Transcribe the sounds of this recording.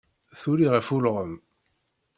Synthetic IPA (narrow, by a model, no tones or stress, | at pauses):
θuɾiʁæfulʁəm